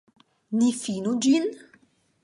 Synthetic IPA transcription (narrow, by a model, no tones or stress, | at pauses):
nifinud͡ʒin